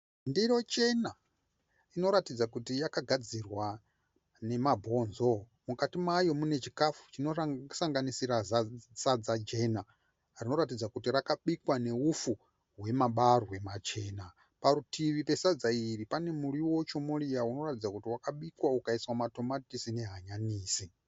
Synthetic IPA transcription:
ndijo̞t͡ʃe̞na | ino̞ɾatid͡zakutijakaɡʱad͡zirwa | ne̞mabʱo̞nzo̞ | mukatimwajo̞mune̞t͡ʃikafu̥t͡ʃino̞saŋɡanisiɾazasad͡zad͡ʒe̞na | rino̞ɾatid͡zakutirakaɓikwane̞ufu | ɦwe̞maɓarwe̞mat͡ʃe̞ːna | parutʰiʋipe̞sad͡zairipane̞muɾiwo̞t͡ʃomurijauno̞ratid͡zakutiwakaɓikwaukaiswamato̞matisine̞ɦaɲaniːsi

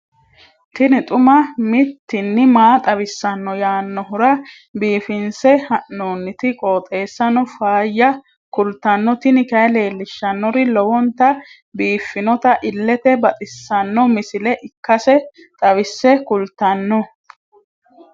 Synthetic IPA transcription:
t̪ɪnɪt̪ʼʊmɐmɪt̪ːɪnːɪmaːt̪ʼɐβɪsːɐnːɔjaːnːɔɦʊɾɐ | biːfɪnsɛhɐʔːoːnːɪt̪ɪkʼoːt̪ʼe̞ːsːɐnɔfaːjːɐ | kʊlt̪ːɐnːɔt̪ɪnɪkɐɛle̞ːlːɪʃːɐnːɔɾɪlɔwɔnt̪ɐ | biːfːɪnɔt̪ɐʔɪlːɛt̪ɛbɐt̪ʼɪsːɐnːɔmɪsɪlɛʔɪkːɐsɛ | t̪ʼɐβɪsːɛkʊlt̪ɐnːɔ

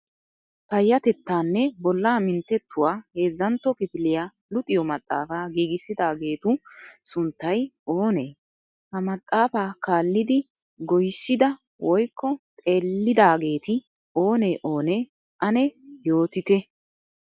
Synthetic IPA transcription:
pɐjːɐt̪ɛt̪ːaːnːɛbɔlːaːmɪnt̪ːɛt̪ːʊwaːhe̞ːzːɐnt̪ːɔkʼɪpɪlɪja | lʊt̪ʼɪjɔmɐt̪ʼːa̰ːfaːɡiːɡɪsɪd̪aːɡe̞ːt̪ʊsʊnt̪ːɐjo̞ːneː | hɐmɐt̪ʼːaːfaːkaːlːɪd̪ɪ | ɡɔjsːɪd̪ɐ | wʔɔjkːɔt̪ʼe̞ːlːɪd̪aːɡe̞ːt̪ɪ | oːneːʔo̞ːneː | ʔɐnɛjo̞ːt̪ɪt̪ɛ

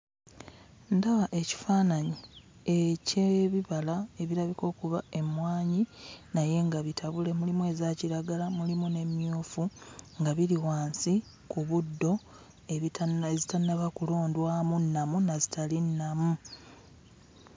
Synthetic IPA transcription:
ndaβaʔe̞ci̥faːnaɲi | eceβiβalae̞βiɾaβiko̞ːkuβae̞mwaːɲinaje̞ŋɡaβitʰaβule̞mulimue̞ːzaciɾaɡalamulimune̞mjuːfuŋɡaβiɾiwaːnsi | kuβudːo̞ | ezitanːaβakulo̞ːndwaːmunːamunazitalinːamu

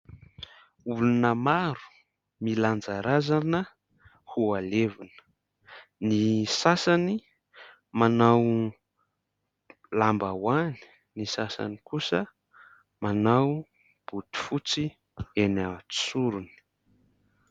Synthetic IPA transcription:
ulunəmaɾu̥ | miland͡zaɾazanə | hualevunə̥ | nisasani | manaw | lambawani̥ | nisasa̰nikusə | manaw | b̥ut̪u̥fut͡si | enḁsuɾuni̥

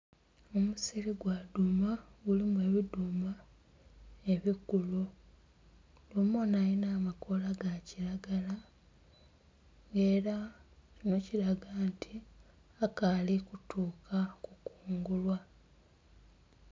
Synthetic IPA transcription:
omusiɾiɡwadumaɡulimwe̞ːβiduma | e̞βikulu | lumonajinaːmako̞laɡaciɾaɡala | ŋɡe̞ːɾacino̞ciɾaɡantʰi | akalikutuːkʰakukuːŋɡulwa

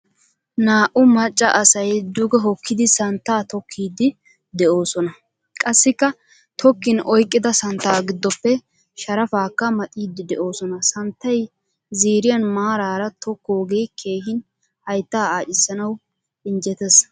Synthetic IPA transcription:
naːʔʊmɐt͡ʃʼːɐʔɐsɐjd̪ʊɡɛɦɔkʰːɪd̪ɪsɐnt̪ːaːt̪ɔkʰːiːd̪ːɪ | d̪ɛʔo̞ːsɔnɐ | kʼɐsːɪkːɐ | t̪ʰɔkːɪnɔjkʼːɪd̪ɐsɐnt̪ːaːɡɪd̪ːɔpːɛ | ʃɐɾɐfaːkːɐmɐt̪ʼiːd̪ːɪd̪ɛʔo̞ːsɔnɐsɐnt̪ːɐj | ziːɾɪjɐnmaːɾaːɾɐt̪ʰɔkːoːɡe̞ːkʰe̞ːhɪn | hɐjt̪ːaːaːt͡ʃʼɪsːɐnɐw | ɪnd͡ʒɛt̪ɛs

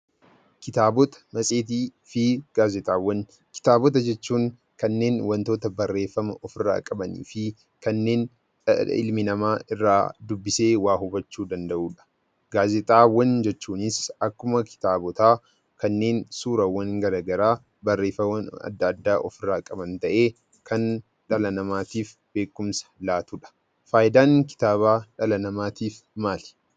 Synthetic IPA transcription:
kɪt̪aːbɔt̪ɐ̥mɐsʼeːt̪̬iːfɪɡ̥aːzɛt̪ʼaːwːɐn | kɪ̥t̪aːbɔt̪̬ɐd͡ʒɛt͡ʃːuːŋ | kɐnːe̞ːnwɐnt̪o̞ːt̪ɐbɐrːe̞ːfɐmɐʔɔfɪrːa̰ːkʼɐbɐnḭːfɪ | kɐnːe̞ːn | ɪ̰lmɪnɐmaːɪrːa̰ːd̪ʊbːɪse̞ːwaːɦʊbɐt͡ʃːuːd̪ɐnd̪ɐʔuːᶑɐ̥ | ɡ̥aːzɛt̪ʼaːwɐnd͡ʒɛt͡ʃːuːnɪsɐkːʊmɐkʰɪ̥t̪aːbɔt̪aː | kɐnːe̞ːnsuːɾɐwɐŋɡɐɾɐɡɐɾaː | bɐrːeːfɐwɐnɐ̰d̪ːɐd̪ːaːʔɔfɪrːaːkʼɐbɐnt̪ɐʔe̞ː | kʰɐn | ᶑɐlɐnɐmaːt̪iːf | be̞ːkːʊmsɐ̥laːt̪uːᶑɐ̥ | faːjɪd̪aːŋkɪ̥t̪aːβaːᶑɐlɐnɐmaːt̪iːf | maːlɛ̥

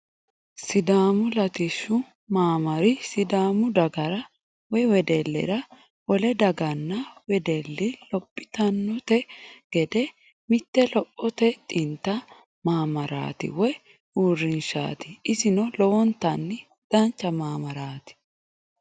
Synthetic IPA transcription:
sɪd̪aːmʊlɐt̪ɪʃːʊ | maːmɐɾɪsɪd̪aːmʊd̪ɐɡɐɾɐ | wɔjwɛd̪ɛlːɛ̰ɾɐ | ʔɔlɛd̪ɐɡɐnːɐwɛd̪ɛlːɪlɔpʼːɪ̥t̪ɐnːɔt̪ɛɡ̥ɛd̪ɛ | mɪt̪ːɛlɔpʼːɔt̪ɛt̪ʼɪnt̪ːɐ | maːmɐɾa̰ːt̪ɪ̰wɔj | uːrːɪnʃa̰ːt̪ɪɪsɪnɔlɔwɔnt̪ːɐnːɪ | d̪̥ɐnt͡ʃːɐmaːmɐɾaːt̪ɪ̥

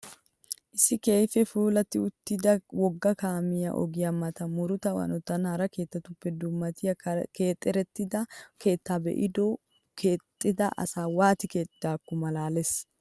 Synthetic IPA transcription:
ʔɪsːɪkeːjfɛfuːlɐt̪ːɪʊt̪ːɪd̪ɐwɔɡːɐkaːmɪjɐ̰ʔɔ̰ɡɪjɐmɐt̪ɐmʊɾʊt̪ɐwɐ̰nɔt̪ːɐnhɐɾɐke̞ːt̪ːɐt̪ʊpːɛd̪ʊmːɐt̪ɪjɐke̞ːt̪ʼːɛɾɛt̪ːɪd̪ɐke̞ːt̪ːabɛ̰ʔɪd̪o | kʰeːt̪ʼːɪd̪ɐʔɐ̰saːwaːt̪ɪke̞ːt̪ʼɪd̪aːkːʊmɐlaːles

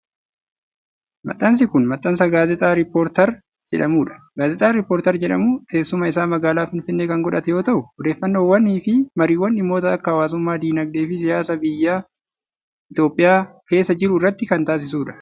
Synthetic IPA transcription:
mɐ̰t̪ʼːɐns̬ɪkʊnmɐt̪ʼːɐnsɐɡaːzɛt̪ʼaːɾɪpːoːɾt̪ɐɾ | d͡ʒɛ̰ᶑɐmuːᶑɐ̥ɡaːzɛt̪ʼaːɾɪpːoːɾt̪ɐɾd͡ʒɛᶑɐmuːt̪e̞ːsːʊmɐɪsaːmɐɡaːlaːfɪnfɪnːeːkɐŋɡɔᶑɐt̪ɛjo̞ːt̪ɐʔʊɔd̪e̞ːfːɐnːoːwːɐnːiːfɪmɐɾiːwːɐnɪmːo̞ːt̪ɐɐkːɐːwaːs̬ʊmːaːd̪iːnɐɡ̚d̪eːfɪsɪjaːsɐbɪjːaː | ɪt̪o̞ːpʼːɪjaːke̞ːsːɐd͡ʒɪɾʊɪrːɐt̪ːɪkɐnt̪aːs̬ɪsuːᶑɐ̥

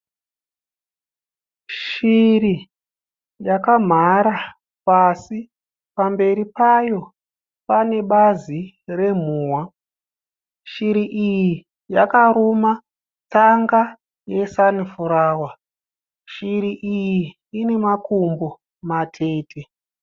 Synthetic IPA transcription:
ʃiri | jakam̤aɾa | pasi | pambe̞ɾipajo̞ | pane̞ɓazi | re̞m̤uːwa | ʃiɾiʔiji | jakaɾoma | t͡saŋɡa | je̞sanifuɾaːwa | ʃiriʔijiː | ne̞makumbo | matʰe̞ːtʰe

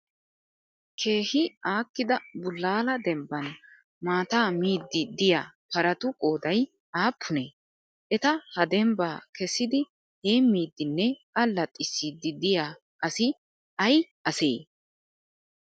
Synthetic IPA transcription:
kʰe̞ːhɪaːkːɪd̪ɐbʊlːaːlɐd̪ɛmbɐn | maːt̪aːmiːd̪ːɪd̪ɪjaːpɐɾɐt̪ʊkʼo̞ːd̪ɐj | aːpʰːʊneː | ʔɛt̪ɐhɐd̪ɛmbaːkɛsːɪd̪ɪ | he̞ːmːiːd̪ːɪnːɛɐlːɐt̪ʼːɪsːiːd̪ːɪd̪ɪjaː | ʔɐsɪ | ɐj | ɐsḛː

